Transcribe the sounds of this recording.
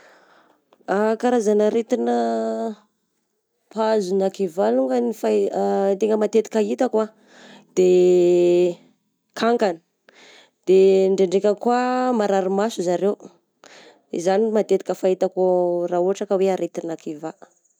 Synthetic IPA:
akaɾazanaɾet̪inə | pazunakivaluŋɡənifat̪eŋɡəmat̪et̪i̥kait̪akwa | d̪̥e | kʰaŋkani̥ | d̪̥eɳɖ͡ʐeɳɖ͡ʐekʲəkwamaɾaɾumasuzaɾew | izanimat̪et̪i̥kəfait̪akorauaʈ͡ʂakəweaɾet̪inakʰiva

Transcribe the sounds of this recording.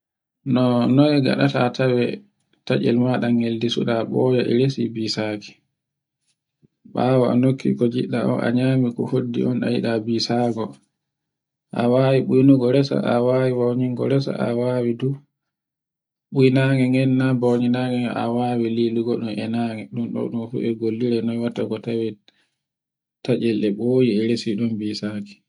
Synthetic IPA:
nɔnɔɛɡa̰ɗataːtʰawɛ | tad͡ʒɛ̰lmaɗaŋeldisṵɗaɓɔːjɔʔɛ̰ɾesibiːsaki̥ | ɓawaanokʰːḭkɔd͡ʒḭɗaʔɔ̰ʔa̰ɲaːmikɔhodːḭʔɔna̰jiɗabiːsaɡɔ | ʔa̰wawiɓujnuɡɔɾɛsa̰ʔawawiwawɲiŋɡɔ̰ɾɛsa̰ʔa̰wawidu | ɓujnaŋɛŋɛnːabawɲinaŋɛʔa̰wawililuɡɔɗɔnɛnaŋɛɗumɗɔ̰ɗɔnfṵʔɛɡolːiɾɛnɔwatːakɔtawɛ | tat͡ʃɛlɛɓoːjiɛɾesiɗumbisaki̥

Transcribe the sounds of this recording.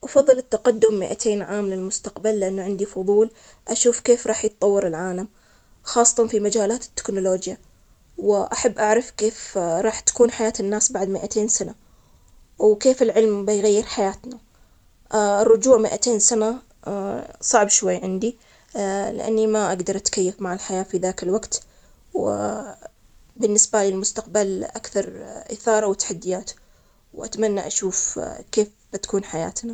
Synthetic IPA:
ʔɑfɑðˤːɨlɪt̪ːaqad̪ːʊmːɪʔa̰t̪ʰeːnʕaːmlɪlmʊst̪aqbalːɪʔanːaʕɪnd̪ifʊðˤuːl | ʔaʃuːfkeːfɾˤɑːħjɪt̪̚ˤːɑwːɑɾɪlʕaːlam | xɑːsˤːɑ̥t̪ɑnfimad͡ʒaːlaːt̪ɪ̥t̪ːɪ̥knʊloːd͡ʒja | wɪʔaħabːʔaʕɾɑfkeːfɾˤɑːħt̪ḁkuːnħajaːt̪ɪnːaːsbaʕd̪mɪʔat̪ʰeːnsana | wkeːfɪlʕɪlmbɪjɣajːɪɾħajaːt̪na | ɪrˤːʊd͡ʒuːʕmɪʔat̪eːnsana | sˤɑʕbʃwajːʕɪnd̪i | lɪ̰ʔa̰nːimaʔaɡd̪ɑɾˤʔat̪kajːafmaʕalħajaːfiðaːkɪlwaɡt̪ | wɪ | bɪnːɪsbalɪlmʊst̪aqbalʔakθɑɾˤʔɪ̰θɑːɾˤɑwɪt̪ːḁħad̪ːɪjaːt̪ | wʔa̰t̪manːaʔaʃuːfkeːf | b̥ɪt̪ḁkuːnħaja̰ːt̪na

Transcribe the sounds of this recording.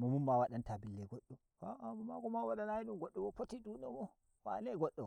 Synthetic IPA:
mɔmummawaɗantabilːɛɡɔɗːɔ | waamɔmakɔmawaɗanajiɗumɡɔɗːɔwɔpotidunɔmɔ | wa̰nɛɡɔɗːɔ

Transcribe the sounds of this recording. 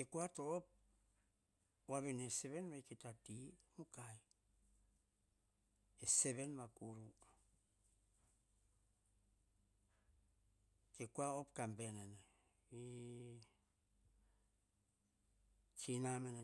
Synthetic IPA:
kekuatoːp̚ | waβeneseβenβakitatimukaj | eseβenβakuɾu | kekuaopkambenene | i | t͡ʃinamene

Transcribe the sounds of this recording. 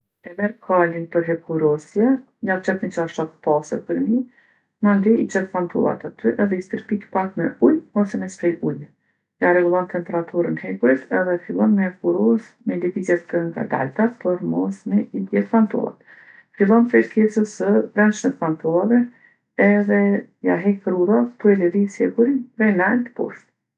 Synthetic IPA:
ɛmɛɾkʰalinpəɾɦɛpuɾɔsjɛ | jat͡ʃɛt̪mit͡ʃaʃat̪ə̥pasəɾpəɾmi | mand̪ɛit͡ʃɛt̪fant̪ʰɔ̰lˠa̰t̪at̪yʔɛðɛist̪əɾpikpakmɛulɔsɛmɛspɾɛʔuj | jarɛɡulˠɔnt̪ɛmpɛɾat̪ʰuɾənhɛkuɾit̪ɛðɛfilˠɔnmɛɛkuɾɔs | mɛlɛvizjɛt̪ːəŋɡa̰d̪a̰lt̪apɔɾmɔsmɛid̪jɛt̪fant̪ɔ̰lˠa̰t̪ | filˠɔnpɾɛɾkɛsəsəbɾɛnʃnɛt̪fant̪ɔlˠavɛ | ɛðɛjaɦɛkəɾuɾat̪uɛlɛɾisɛɡuɾiɾɛnant̪pɔ̰ɾt̪

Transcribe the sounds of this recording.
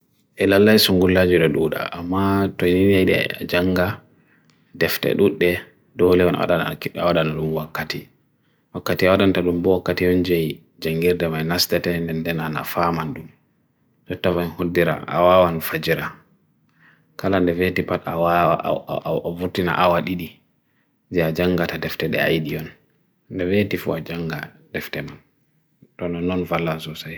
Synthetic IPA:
ʔɛlalːajsuŋɡulːad͡ʒuɗɔɗuɗa̰ʔːmːatojniniaɗɛ̰d͡ʒaŋɡa | dɛftɛ̰ɗuɗːɛ | dɔlɛwɔna̰wa̰ɗanakɗawaɗanaɗumwakːati | wakːatiawaɗantaɗumbɔwakːatijɔnd͡ʒaj | d͡ʒaŋɡiɾdɛmajnastɛtɛndɛndɛnana̰famanɗum | tɔtːavanhodːiɾa̰ʔa̰wawanfad͡ʒiɾa | kalandɛvetipatawa | vuɾtina̰ʔawaɗiɗi | d͡ʒɛad͡ʒaŋɡatadɛftɛɗɛ̰a̰jɗiɔn | ndɛvetifṵad͡ʒaŋɡa | d̥ɛftɛman | tɔnɔnɔnvalːansɔsaj

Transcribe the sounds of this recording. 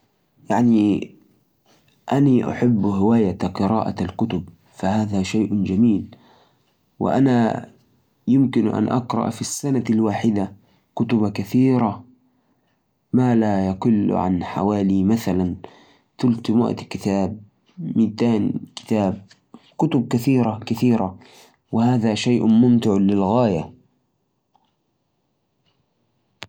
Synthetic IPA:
jaʕni | ʔaniʔa̰ħɪbːhɪwaːjaqɨɾɑ̰ːʔa̰alkʊt̪ʊb | fahaːðaʃajːʔd͡ʒamiːl | wɪ̰ʔana | jɪmkɪnʔa̰nʔɑ̰qɾˤɑ̰ʔfisːanalwaːħɪd̪a | kʊt̪ʊbakaθiːɾa | maːlajɑqʊl̰ːʕa̰nħa̰waːlimaθalan | t̪ʊlt̪mwa̰ʔt̪kɪt̪aːb̚ | miːt̪aːnkɪ̥t̪aːb̚ | kʊt̪ʊb̚kaθiːɾakaθiːɾa | wɪhaːðaʃajʔmʊmt̪ɪʕlɪlɣaːja

